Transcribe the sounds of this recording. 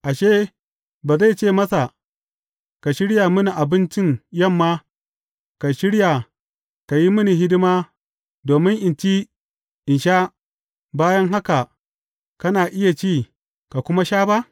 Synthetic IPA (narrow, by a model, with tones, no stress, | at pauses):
ʔa˨ʃeː˦ | baː˨za˦˨t͡ʃeː˦˨mɐ˦sa˨ | ka˨ʃɪ˦ɽja˨mʊ˦ni˨ʔa˨bɪ˦nt͡ʃɪ˦ŋjɐ˦˨mːaː˦ | ka˨ʃɪ˦ɽja˨ | ka˨ji˦mʊ˦ni˨ɦɪ˦dɪ˦maː˦ | doː˨mɪ˦ŋʔɪ˨nt͡ʃi˦ | ʔɪ˨nʃa˦ | baː˦jɐ˦ŋɦa˦ka˨ | kɐ˦naː˨ʔɪ˦ja˨t͡ʃiː˦ | ka˨kʷʊ˦ma˦ʃaː˦ba˦ʔ